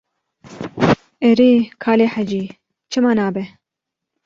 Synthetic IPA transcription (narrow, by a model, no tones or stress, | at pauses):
ɛɾiːkʰaːleːħad͡ʒiː | t͡ʃʰɨmaːnaːbɛ